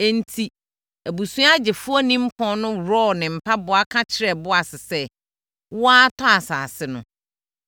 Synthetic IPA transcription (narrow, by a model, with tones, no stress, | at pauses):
ɛ˦n̩˦tʰi˦ | æ˨bu˨sũ˦a˦d͡ʑɪ˨fʊ˦ɔ˦nĩ˦m̩˦pʰɔ̃˦nʊ̃˦ɾɔ˦˨nɪ̃˨m̩˨pʰa˦bʊ˨a˦kʰã˦t͡ɕʰɪ˨ɾɛ˨bʊ˦a˨sɪ˨sɛ˦ | wʊ˦a˦tʰɔ˦a˨sa̰ː˨sɪ˦nʊ̰̃˨